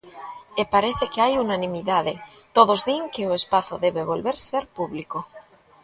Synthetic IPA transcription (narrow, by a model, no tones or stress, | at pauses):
epaɾeθekeajunanĩmiðaðet̪oðozðiŋkeoespaθoðeβeβolβeɾseɾpuβliko